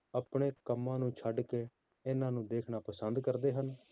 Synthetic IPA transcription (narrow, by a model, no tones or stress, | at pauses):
əpɳeːkəmːãːnũːt͡ʃʰəɖkeː | ɪnãːnũːd̪eːkʰnaːpəsənd̪kəɾd̪eːɦən